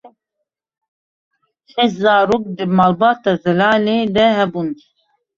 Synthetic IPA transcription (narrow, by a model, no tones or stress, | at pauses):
ʃɛʃzaːɾoːk̚d̪ɨmalbaːt̪ɑzɛlaːleːd̪ɛɦɛbun